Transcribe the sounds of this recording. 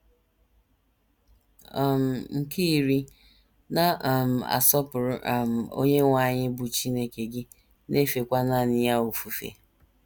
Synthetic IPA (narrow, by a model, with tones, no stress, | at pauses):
m̩˨ŋ̩˨ki˦˨ɾi˦ | na˦˨m̩˨a̰˨sɔ˦pʊ˨ɾʊ˦˨m̩˨o̰˦ɲe˦ŋʷa˦˨ɲɪ˦bʊ˨t͡ʃi˦ne˦ke˨ɡɪ˦ | ne˦fe˨kʷa˦na˦˨nɪ˦ja˦u˨fu˨fḛ˨